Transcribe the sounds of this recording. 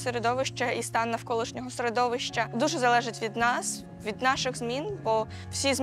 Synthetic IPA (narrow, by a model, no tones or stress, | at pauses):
seɾed̪ɔʋɪʃt͡ʃɐist̪ɑnːɐwkɔlˠɪʃnʲɔɦɔsɾed̪ɔʋɪʃt͡ʃɐd̪uʒɛzɐlˠɛʒɪtʲʋʲid̪nɑs | ʋʲid̪nɑʃɪɣzmʲinbɔ | w̥sʲizmʲ